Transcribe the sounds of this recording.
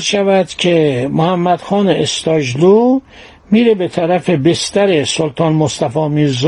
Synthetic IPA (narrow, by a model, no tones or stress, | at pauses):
zʃævæd̪̥cʲʰemohæmːæd̪̥xɒːneest̪ɒːd͡ʒlu | miːɾebet̪ʰæɾæfe̞best̪æɾesolt̪ʰɒːnmost̪æfɒːmiːɾz